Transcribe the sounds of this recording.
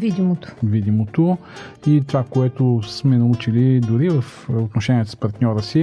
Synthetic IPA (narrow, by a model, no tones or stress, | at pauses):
vid̪imot̪o̥vid̪imot̪o | it̪ovakoɛt̪osmɛnɐut͡ʃilid̪ʊɾivəf | ot̪noʃɛniɛt̪ospɐɾt̪nʲɔɾəsi